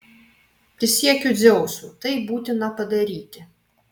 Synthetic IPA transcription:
pʲɾʲɪsʲiɛkʲud̪zʲɛʊsut̪ɐɪbuːt̪ʲɪnɐpɐd̪ɐɾʲiːt̪ʲɪ

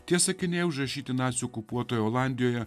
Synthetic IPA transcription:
t̪ʲiɛsɐkʲɪnʲeːjɛʊʒɾɐʃʲiːt̪ʲɪnɑːt̪sʲjuokʊpuɔt̪oːjɛoːlˠɑˑnʲd̪ʲɪjoːjɛ

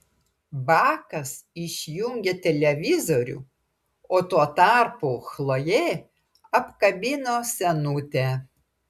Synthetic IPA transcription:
bɑːkɐsɪʃʲjʊŋʲɡʲet̪ʲɛlʲɛʋʲɪzoɾʲṵː | oːt̪uɔt̪ɑˑɾpuxlˠojeː | ɐpkɐbʲɪnoːsʲɛnʊt̪ʲɛ

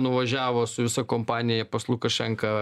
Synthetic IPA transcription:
nʊʋɐʒʲæːʋoːsʊʋʲɪsɐkoːmpɑːnʲɪjɛpɐslˠʊkɐʃʲɛŋkɐ

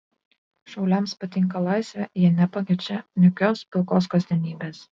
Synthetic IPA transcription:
ʃɒʊlʲɛˑmspɐt̪ʲɪŋˑkɐlˠɑˑɪsʲʋʲɛjiɛnʲɛpɐkʲɪt͡ʃʲɛnʲʊkʲoːspʲɪlˠkoːskɐzʲd̪ʲɛnʲiːbʲeːs

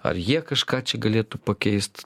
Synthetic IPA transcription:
ɐ̰ɾjikɐʃkat͡ʃʲɪɡɐlʲet̪upɐkʲejst̪

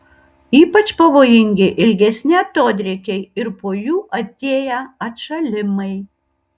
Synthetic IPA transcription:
iːpɐt͡ʃpɐʋoːjɪŋʲɡʲɪʔɪlʲɡʲɛsʲnʲɪɐt̪oːd̪ʲɾʲɛkʲɛɪɪɾpoːjuːʔɐt̪ʲeːjɛɐt̪ʃɐlʲɪmɐɪ

